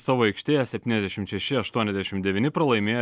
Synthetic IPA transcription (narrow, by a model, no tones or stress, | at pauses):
sɑːʋoːɛɪkʃʲt̪ʲeːjɛsʲɛpʲt̪ʲinʲɛzd̪ʲɛʃʲɪmt̪ʃʲɛʃʲɪɐʃt̪uɔnʲɛzʲd̪ʲæɛʃʲɪmd̪ʲɛʋʲɪnʲɪpɾɐlˠɐɪmʲeːj